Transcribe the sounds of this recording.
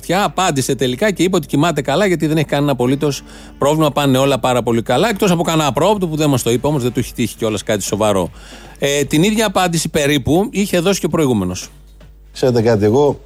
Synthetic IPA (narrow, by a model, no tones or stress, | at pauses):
t̪çɐːpɐnd̪ise̞t̪e̞likɐce̞ipeot̪i̥cimɐt̪̬e̞kɐlɐʝɐt̪̬iðe̞neçi̥kɐninɐpo̞lit̪o̞s | pɾo̞vlimɐpɐnːeo̞lɐpɐɾɐpo̞likɐlɐe̞kt̪o̞sɐpo̞kɐnɐpɾo̞pt̪opuðenmɐst̪o̞ipeo̞mo̞zðet̪uçi̥t̪içi̥ceo̞lɐskɐt̪i̥so̞vɐɾo̞̰ | et̪iniðʝɐːpɐnd̪isipe̞ɾipuiçe̞ðo̞si̥ceo̞pɾo̞iɣume̞no̞s | kse̞ɾe̞t̪e̞kɐt̪ieɣo̞